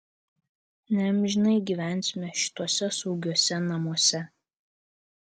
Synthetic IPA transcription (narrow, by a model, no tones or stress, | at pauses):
nʲɛmʲʒʲɪnɐɪɡʲiːʋʲæˑnʲˑsʲmʲɛʃʲɪ̥t̪uɔsʲɛsɔʊɡʲuɔsʲɛnɐmuɔsʲɛ